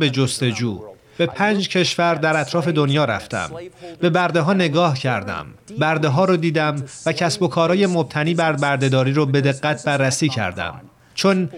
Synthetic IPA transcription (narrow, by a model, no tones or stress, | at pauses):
be̞d͡ʒost̪e̞d͡ʒuː | b̥e̞pʰæːnd͡ʒcʰe̞ʃvæɾd̪æɾæt̪ʰɾɒːfe̞d̪onjɒːɾæ̰ft̪æ̰mb̥e̞bæɾd̪e̞ɦɒːne̞ɡɒːhcʰæɾd̪æ̰mbæɾd̪e̞ɦɒːɾɒd̪iːd̪æmvæcʰæsbo̞kʰɒːɾɒːje̞mob̚t̪ʰæniːbæɾbæɾd̪e̞d̪ɒːɾiːɾɒːbe̞d̪e̞ɣːæt̪̚ʰbærːæsiːcʰæ̰ɾd̪æ̰m | t͡ʃʰon